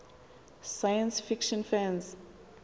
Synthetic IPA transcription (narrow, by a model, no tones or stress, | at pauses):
sajãnsfikʃɔ̃nfãns